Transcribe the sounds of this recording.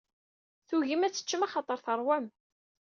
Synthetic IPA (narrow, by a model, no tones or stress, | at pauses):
θuʝimæt͡sːə̥t͡ʃːəmɑχɑt̪ˤəɾθəɾˤwæm